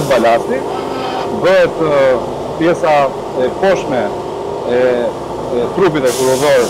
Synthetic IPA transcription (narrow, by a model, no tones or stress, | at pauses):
t̪̚balast̪i | bəɦɛt̪ | pjɛsa | ɛpɔʃmɛ | ɛ | t̪ɾup̬it̪ɛkuɾɔðɔɾɛ